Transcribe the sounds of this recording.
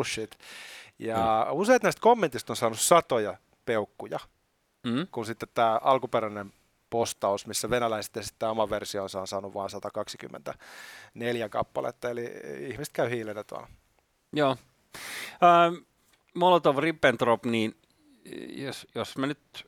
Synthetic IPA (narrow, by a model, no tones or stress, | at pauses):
uʃːit̪jɑuseit̪næist̪komːent̪ist̪onsɑːnussɑt̪ojɑ | peukːujɑ | kunsit̪ːet̪tæːʔɑlkupeɾænem | post̪ɑusmisːæʋenælæise̥t̪ːesi̥t̪ːæːomɑʋersiooːnsɑonsɑːnuʋʋɑːnsɑt̪ɑkɑksi̥ky̰mːḛnt̪æneljækɑ̰pːɑlḛt̪ːɑeliihmiset̪kæyhiːlːenːet̪uɑ̰l | joː | əː | molot̪oʋripːent̪ropniːn | josjosmænyt̪